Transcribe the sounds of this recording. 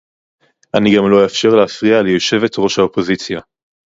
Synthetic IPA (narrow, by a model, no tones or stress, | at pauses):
ʔaniɡamlo̞jafʃe̞ʁleafʁialejo̞ʃe̞vetʁo̞ʃhaopo̞zit͡sja